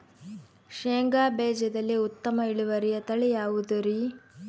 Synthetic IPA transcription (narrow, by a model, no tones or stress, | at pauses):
ʃeːŋɡaːbɛːd͡ʒɐd̪ɐlːiut̪ːɐmɐiɭuʋɐɾijɐt̪ɐɭijaːʋud̪uɾi